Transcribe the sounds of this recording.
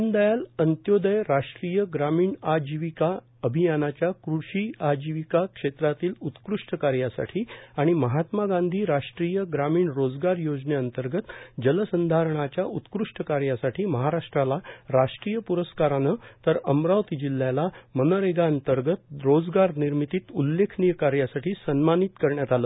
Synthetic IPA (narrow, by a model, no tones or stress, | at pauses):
nd̪əjalənt̪jod̪əjɾaʂʈɾiːjəɡɾamiːɳad͡ʑiʋika | əbʱijanat͡ɕjakɾuʂiːad͡ʑiʋikakʂet̪ɾat̪iːlut̪kɾuʂʈəkaɾjasa̰ʈʰiːaɽ̃iməɦat̪maɡand̪ʱiːɾaʂʈɾijəɡɾamiːɳɾod͡zɡaɾjod͡zneənt̪əɾɡət̪d͡ʑələsənd̪ʱaɾəɳ̃at͡ɕjaʔut̪kɾuʂʈəkaɾjasaʈʰiːməɦaɾaʂʈɾalaɾaʂʈɾijəpuɾəskaɾanət̪əɾəmɾawt̪id͡ʑilːjalamənəɾeɡaənt̪əɾɡət̪ɾod͡zɡaɾniɾmit̪iːt̪ulːekʰnijəkaɾjasaʈʰiːsənmanit̪kəɾɳjat̪aləː